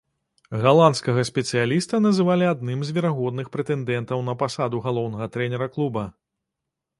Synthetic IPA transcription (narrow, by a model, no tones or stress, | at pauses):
ɣalˠant̪skɐɣɐsʲpʲɛt̪sɨjalʲist̪ɐnɐzɨvalʲiad̪nɨmzʲvʲɛɾaɣɔd̪nɨxpɾɛt̪ɛnd̪ɛnt̪ɐwnɐpasad̪uɣalˠɔwnɐɣɐt̪ɾɛnʲɛɾɐklˠubɐ